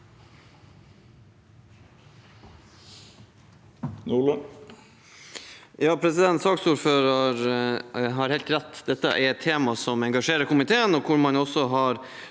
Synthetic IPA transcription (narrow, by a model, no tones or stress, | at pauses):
nuːlə | jɑːpʰɾɛsɪd̪ɛnt̪sɑːksuːɾføːɾɑɾ | ɦɑɾhɛɪlt̪ɾɛt̪ːd̪ɛt̪ːə̰ʔɛɾɛt̪ʰːeːmɑsɔmɛŋɡɑʂeːɾəɾkʊmɪt̪ʰeːənɔkʰʊɾmɑnɔsɔɦɑɾ